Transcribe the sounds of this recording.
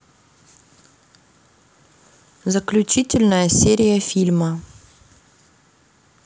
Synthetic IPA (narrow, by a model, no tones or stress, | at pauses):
zəklʲut͡ʃitʲɪlʲnəjəsʲeɾʲijəfʲilʲmə